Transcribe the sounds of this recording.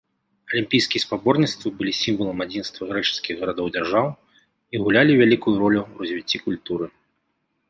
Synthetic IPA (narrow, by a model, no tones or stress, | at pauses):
ɐlʲimʲpʲijskʲijɛspabɔrnʲit̪st̪vɐbɨlʲisʲimvɐlˠɐmad͡zʲinst̪vɐɣɾɛt͡ʂɨ̥skʲiɣɣɐɾad̪ɔwd͡zʲarʐaw | iɣulʲalʲivʲalʲikujuɾɔlʲurɐzʲvʲit͡sʲːikulʲt̪uɾɨ